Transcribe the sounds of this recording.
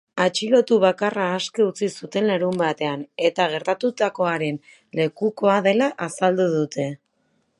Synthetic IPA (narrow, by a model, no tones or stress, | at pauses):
at͡ʃilo̞t̪uβakaraːske̞ut͡sisut̪e̞nlaɾumbat̪e̞ane̞t̪aɣ̞e̞ɾt̪at̪ut̪ako̞aɾe̞n | le̞kuko̞aðe̞laʔasald̪uðut̪e̞